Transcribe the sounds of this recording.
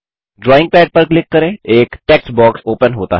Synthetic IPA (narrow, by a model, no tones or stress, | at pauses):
ɖɾɔːɪ̃ŋɡ̚pɛːɖ̚pɐɾklɪkːəɾẽeːkʈɛksbɔːksoːpənɦoːt̪a̰ɦ